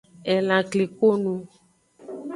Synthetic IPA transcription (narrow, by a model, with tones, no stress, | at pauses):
ɛ˨lã˨kle˨ko˦nũ˦